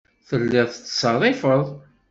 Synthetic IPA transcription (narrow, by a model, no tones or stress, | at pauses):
θəlːɪʁθət͡sːsɑrˤːɪfəðˤ